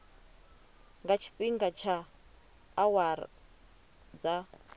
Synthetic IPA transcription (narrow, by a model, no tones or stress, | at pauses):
ŋɡat͡ʃʰi̥ɸiŋɡat͡ʃʰaː | waɾ̰ | d͡za